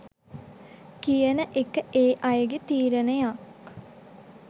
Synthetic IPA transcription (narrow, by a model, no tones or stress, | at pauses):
kijənəʔekəʔeːʔɐjəɡet̪iːɾənəjak